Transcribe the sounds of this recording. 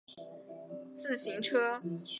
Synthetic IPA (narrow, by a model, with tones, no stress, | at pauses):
t͡sɹ̩˥˩ɕi˧˥ŋʈ͡ʂʰɤ˥